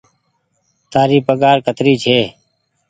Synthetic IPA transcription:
t̪aːɾiːpəɡaːɾkət̪ɾiːt͡ʃʰeː

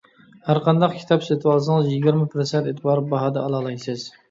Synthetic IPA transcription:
hæɾqʰɑnd̪ɑqkʲʰi̥t̪ʰɑpset̪ʰwɑlˠsɨŋɨzjɪɡʲɪɾmɪpʰɾɨsent̪et̪ʰbɑɾbɑɦɑd̪ɛɑlˠɑlˠɑjsɨz̥

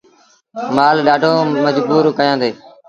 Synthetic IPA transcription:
maːlɗaːɖʱoːməd͡ʒbuːɾkəjãːd̪eː

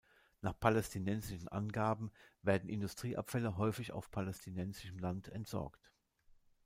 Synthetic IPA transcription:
naːχpʰalɛstʰinɛnzɪʃn̩ʔa̰nɡaːbm̩veːɐdn̩ʔɪndustʁ̥iːʔa̰pfɛləɦɔʏfɪça̰ʊfpʰalɛstʰinɛnzɪʃəm̩lantʰɛntz̥ɔ̰ɐkt

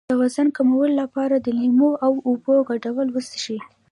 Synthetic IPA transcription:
əwazankamawəllapɑɾad̪əlimoawuboɡaɖawəlwəst̪ʃi

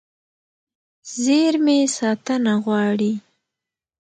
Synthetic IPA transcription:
zeɾmesɑt̪ənaɣwɑɽi

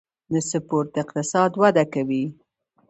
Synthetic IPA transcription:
nəsəpoɾt̪ɪqt̪ɪsɑd̪wad̪akawi

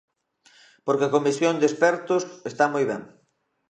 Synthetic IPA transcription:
poɾkeakomisjond̪espɛɾt̪ʊsest̪amojβɛ̰ŋ

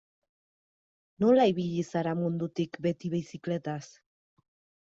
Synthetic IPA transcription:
nolaiβiʎisaɾamund̪ut̪ikbet̪iβisikle̞t̪as

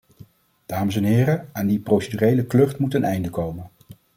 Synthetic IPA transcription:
d̥aːməs̬ɛnɦɪːrəaːndiprowsedyrejləklɵχtmutənɛjndəkowmən

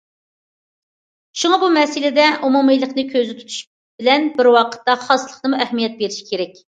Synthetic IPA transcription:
ʃuŋɑbumɛsɪlɪd̪ɛʔumumɨjlˠəqnɨkʲʰøzɪt̪ʰu̥t̪ʰu̥ʃ | b̥ɪlɛnbɪɾwɑqʰə̥t̪ːɑχɑslˠəχnɨmuɛhmijɛt̪̚beɾɪʃi̥kʲʰeɾɛkʲ

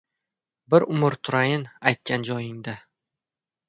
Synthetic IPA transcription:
bɪɾʊmʊɾt̪ʰʊɾajɪnajt̪̚kʲʰand͡ʒɒjɪŋd̪a

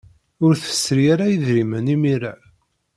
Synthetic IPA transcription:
ʊɾθə̥sːɾijaɾajəðɾimənimiɾa

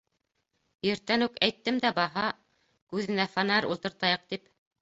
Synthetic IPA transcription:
jɘ̆ɾt̪ːænʉkæjt̪ːɘmd̪æbɑɦɑ | kʉðɘ̆næfɑnæɾṵlˠt̪ɤ̆ɾt̪ɑjɤq̚t̪ip

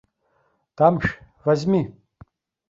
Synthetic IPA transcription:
d̥amʃ | vazmi

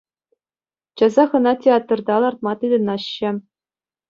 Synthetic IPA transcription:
t͡ɕɑzɑχɤ̆nɑtʲeɑt̪rd̪ɑlˠɑrt̪̚mɑt̪ɯd̪ʲɤ̆nɑɕːɘ̆

